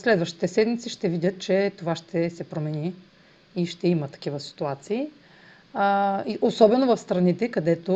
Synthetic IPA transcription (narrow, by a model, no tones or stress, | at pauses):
slɛd̪vəʃt̪i̥t̪ɛsɛd̪mit̪siʃt̪ɛvidʲət̪̚t͡ʃɛt̪ovaʃt̪ʰɛsɛpɾomɛniː | ʃt̪ɛimət̪ɐ̥k̟ivəsi̥t̪uat̪siː | iʔosɔbɛnovɐfst̪ɾɐnit̪ɛkɐd̪ɛt̪o